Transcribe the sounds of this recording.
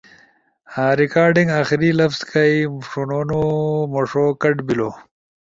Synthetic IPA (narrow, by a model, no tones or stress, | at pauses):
aːɾikaːɾɖiŋɡaːxiɾilɐfz̥kɐiʂunoːnomoʂoːkɐʈbiloː